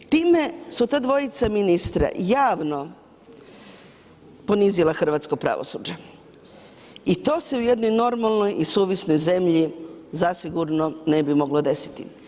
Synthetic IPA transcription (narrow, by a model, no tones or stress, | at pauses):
t̪iːme̞sut̪aːd̪ʋo̞jit̪saminist̪ɾa̰jaːʋno̞ | po̞nizilˠaxr̩ʋaːt̪skopɾa̰ʋo̰sṵːd͡ʒa | it̪o̞ːse̞uje̞d̪no̞jno̞ɾmalˠno̞jisuːʋisno̞jze̞mʎizasiɡuɾno̞ne̞bimo̞ɡlod̪e̞si̥t̪ḭ